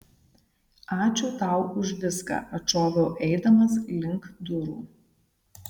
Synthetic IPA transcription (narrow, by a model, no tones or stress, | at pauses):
ɑːt͡ʃʲuːt̪ɐˑʊʊʒʲʋ̪ʲɪskɐ̰ʔɐt͡ʃoːʋʲoːʔɛɪd̪ɐmɐslʲɪŋkd̪ʊɾṵː